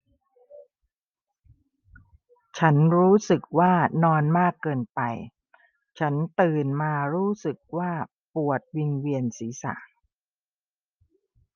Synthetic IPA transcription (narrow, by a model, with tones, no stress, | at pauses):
t͡ɕʰa˦˥nɾuː˦˥sɯ˨˩k̚waː˥˩nɔː˧nmaː˥˩kːɤː˧npa˧j | t͡ɕʰa˦˥nt̪ɯː˧nmaː˧ɾuː˦˥sɯ˨˩k̚waː˥˩ | pu˨˩ət̪̚wi˧nwi˧ənsiː˩˦sa̰˨˩˦ʔ